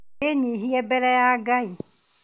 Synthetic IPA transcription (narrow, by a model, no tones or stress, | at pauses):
enĩɦiɛbɛɾɛjaɡãi